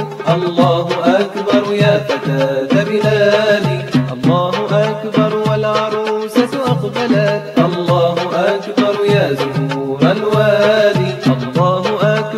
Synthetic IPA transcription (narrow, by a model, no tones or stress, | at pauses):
ʔɑlːɑːɦʊʔakbɑɾˤjaːfat̪aːd̪abɪʔaːlɪʔɑlˤːɑːɦʊʔakbɑɾˤwalʕɑɾˤuːsaʔɑqb̪alaʔɑlˤːɑːhʊʔakbɑɾˤjaːzʊhuuːɾalwaːlɪʔɑlˤːɑːhʊʔak